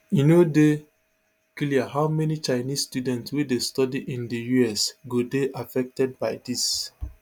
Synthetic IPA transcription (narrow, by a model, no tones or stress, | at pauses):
ĩnode | kliahaʊmɛnit͡ʃaɪnissːtjudɛ̃ntswedestɔdiʔĩndəjuɛsɡodeʔafɛk̚tɛd̚baɪdis